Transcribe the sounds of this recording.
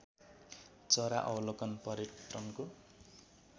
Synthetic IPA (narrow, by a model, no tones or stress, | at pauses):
t͡sʌɾa̰ʔʌwlokʌnpʌɾeʈrʌmko